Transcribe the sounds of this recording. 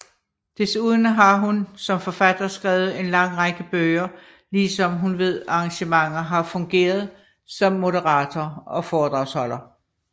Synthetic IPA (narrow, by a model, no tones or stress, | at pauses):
d̥e̝suːð̞ˠnəɦɑ̈ɦunsɒ̽mfɒ̽fæd̥ɐsɡ̥ʁɛːʊð̞̩ˠe̝nlɑ̈ŋ̰ʁɑɡ̥əb̥øːɪɐ | liːsɒ̽mɦunʋe̝ð̞̰ˠɑ̈ɑ̈ŋɕəmɑ̈ŋ̰ɐɦɑ̈fɔ̽ŋɡ̥e̝̰ːɐð̞ˠ | sɒ̽mːo̝ɾəʁɑ̰̈ːt͡sʰɒɒ̽fɒːd̥ʁɑ̈ʊshɒ̽lɐ